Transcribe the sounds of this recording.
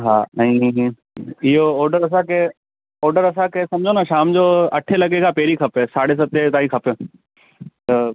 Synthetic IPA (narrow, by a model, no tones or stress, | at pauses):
ɦaːɐ̃ĩ | ɪɦoɔːɾɖəɾɐs̬ãke | ɔːɾɖəɾɐsãkʰesɐmd͡ʑʱonaːʃaːmd͡ʑoːɐʈʰelɐɡekʰapeːɾikʰɐpesaːɽes̬ɐt̪ːet̪aːikʰɐpjoː | t̪ɐ